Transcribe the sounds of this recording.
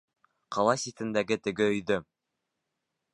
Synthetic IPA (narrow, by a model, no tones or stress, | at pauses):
qɑlˠɑsʲit̪ɘ̆nd̪æɡɘt̪ɘ̆ɡɘɵ̆jðɵ